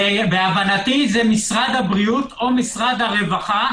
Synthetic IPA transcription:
beavanat̪izɛmisʁad̪habʁiut̪o̞misʁad̪haʁe̞vaχa

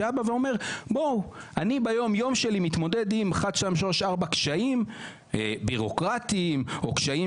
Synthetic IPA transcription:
abaveo̞me̞ʁbow | ʔanibajo̞mjo̞mʃelimit̪mo̞d̪ed̪imχad̪ʃamʃoʃaʁbakʃaim | biʁo̞kʁatimo̞kʃai

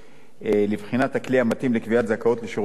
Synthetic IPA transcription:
elivχinat̪hakliamat̪imlekviat̪zakao̞t̪leʃuʁ

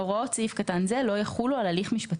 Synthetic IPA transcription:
oʁot͡sifkatanzelo̞jaχulualaliχmiʃpat

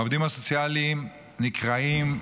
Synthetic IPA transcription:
ovd̪imasot͡sjalim | nikʁaim

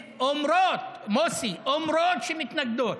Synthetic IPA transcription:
omɾoːt̪moːsiomɾoːt̪ʃimit̪nɐk̚d̪oːɾ

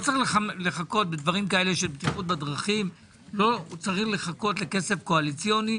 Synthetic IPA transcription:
ot͡saʁiχlealeχako̞t̪̚bed̪vaʁimkae̞le̞ʃelbet̪iχut̪̚bad̪ʁaχim | lo̞t͡saʁiχle̞χako̞t̪le̞ke̞se̞fko̞alit͡sjo̞ni

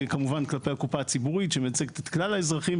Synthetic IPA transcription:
kamuvanklape̞jakupaːt͡sibuʁitʃemet͡seke̥t̪et̪klalaezʁaχim

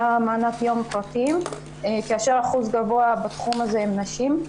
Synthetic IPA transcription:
amaːnatjo̞mpʁatim | keaʃeʁaχuzɡavo̞abat̪χumaze̞emnaʃim

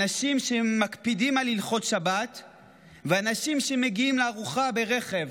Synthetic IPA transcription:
naʃimʃemakpidimalilχo̞t̪ʃabat̪ | veanaʃimʃe̞me̞ɡiimleaʁuχabe̞ʁe̞χe̞v

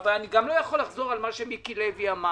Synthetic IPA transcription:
valaniɡamlo̞jaχo̞lːaχzo̞ʁalmaʃemikileviama

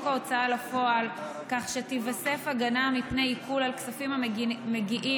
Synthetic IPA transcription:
kaot͡saalafo̞al | kaχʃetivase̞faɡanamipneikʰulalksafimameɡiʔi

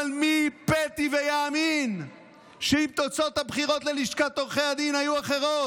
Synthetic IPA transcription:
lmipet̪ivejaːmin | ʃeimt̪ot͡sot̪habχiʁot̪leliʃkat̪ːoʁχejad̪inhajuaχeʁo

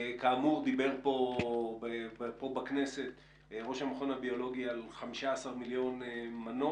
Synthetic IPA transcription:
kaːmuʁd̪ibe̞ʁpo̞ebpo̞bakne̞se̞t̪ | ʁo̞ʃhamaχo̞nabio̞lo̞ɡialχamiʃaːsaʁmiljo̞nmano

